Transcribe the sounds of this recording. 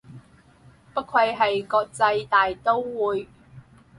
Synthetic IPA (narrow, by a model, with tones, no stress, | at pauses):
pɐ˥t̚kʰɐ˧jɦɐ˨jkɔː˧k̚t͡sɐ˧jt̪aː˨jt̪o˥wwuː˨˧j